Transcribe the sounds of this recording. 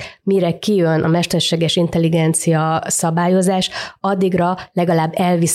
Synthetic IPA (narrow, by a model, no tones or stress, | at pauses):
miɾɛkijønʔɒ̰mɛʃt̪ɛrʃeːɡɛʃint̪ɛliɡɛnt̪sijɒsɒbaːjo̞zaːʃɒd̪ːiɡrɒlɛɡɒlaːbːɛlvis